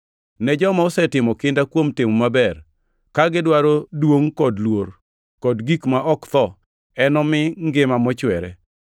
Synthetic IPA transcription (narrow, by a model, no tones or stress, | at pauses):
nɛd͡ʒɔmaʊsɛtɪmɔkɪndakwomtɪmmabɛr | kaɡɪdwaɾodwoŋkɔdlwoɾ | kɔdɡikmaʔɔkt̪ɔ | ɛnɔmɪŋɡɪmamɔt͡ʃwɛɾɛ̰